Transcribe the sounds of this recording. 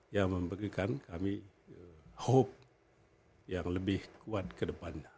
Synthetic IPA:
jaŋməmbəɾikankami | əhop̚ | jaŋləbɪhkuat̪̚kədəpanɲa

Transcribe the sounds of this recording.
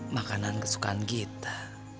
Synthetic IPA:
makanankəsu̥kanɡit̪ḁ

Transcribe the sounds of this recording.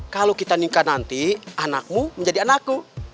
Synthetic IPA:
kalokit̪aniŋkanant̪ianak̚muməɲd͡ʒadianakːu

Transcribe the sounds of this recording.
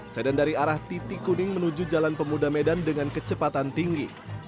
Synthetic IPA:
sedandaɾiaɾaht̪it̪ikunɪŋmənud͡ʒud͡ʒalanpəmudamedandəŋankət͡ʃəpat̪ant̪iŋɡi

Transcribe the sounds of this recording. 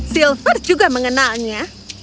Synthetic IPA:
silfərd͡ʒuɡaməŋənalɲa

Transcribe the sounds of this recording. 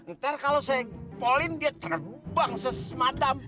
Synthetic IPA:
ənt̪aɾakalosajapolɪndiat̪ərəbaŋsəsəmadam

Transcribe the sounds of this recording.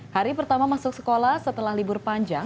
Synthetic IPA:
haɾipərt̪amamasʊk̚sə̥kolahsət̪əlahlibʊrpaɲd͡ʒaŋ

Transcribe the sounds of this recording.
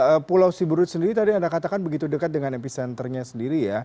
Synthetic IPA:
əpulawsibuɾʊt̪̚səndiɾit̪adiandakat̪akanbəɡit̪udəkat̪̚dəŋanepisɛnt̪ərɲasəndiɾija

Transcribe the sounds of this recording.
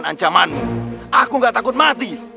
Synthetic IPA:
na̰ɲt͡ʃamanmuakuŋɡaʔt̪akut̪̚mat̪i

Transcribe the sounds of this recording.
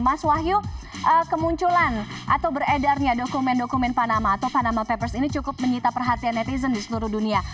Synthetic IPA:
maswaɦju | ʔəkəmuɲt͡ʃulanʔat̪awbəredarɲadokumɛndokumɛnpanamaːt̪awpanamapɛpərsinit͡ʃukʊp̚məɲit̪apərɦat̪ianːɛt̪izəndisəluɾuhdunia

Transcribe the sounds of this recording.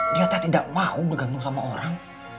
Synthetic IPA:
ɾiat̪aht̪idaʔmaubəɡanʊŋsamaʔoɾaŋ

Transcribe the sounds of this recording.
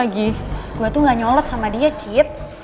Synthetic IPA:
aɡiɡ̥uat̪uŋaɲɔlɔt̪̚samadiat͡ʃit̪̚

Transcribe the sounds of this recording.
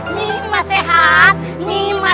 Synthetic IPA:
nimaseɦa | nĩma

